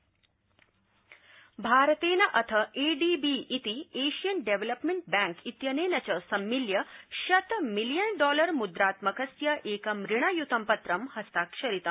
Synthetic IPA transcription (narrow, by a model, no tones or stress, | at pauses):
bʱaːɾt̪eːnɐʔɐt̪ʰəʔeɖiːbiːʔːt̪ieːɕijənɖeʋeləpmeɳʈ̚bæ̃ŋkit̪jɐneːnɐt͡ɕɐsɐmːiljɐɕɐt̪milijənɖɔːlɐɾmud̪ɾaːt̪mɐkɐsjɐʔeːkɐmɾiɳ̃ɐjut̪ʰɐmpɐt̪ɾɐmhɐst̪akʂɐɾit̪ɐm